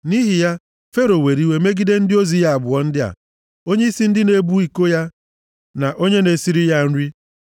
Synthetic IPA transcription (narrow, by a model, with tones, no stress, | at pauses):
ni˦ɦi˨ja˦ | fe˦ɾo˨we˨ɾi˦we˦me˦ɡi˦de˦n̩˦dɪ˦o˦zi˨ja˦a˨bʊ˨ɔ˦n̩˦dɪ˦a̰˨ | o˦ɲe˦i˦si˦n̩˦dɪ˦ne˦bu˦i˨ko˦ja˦ | na˨ʔo˦ɲe˦ne˨si˦ɾi˦ja˦n̩˦ɾi˦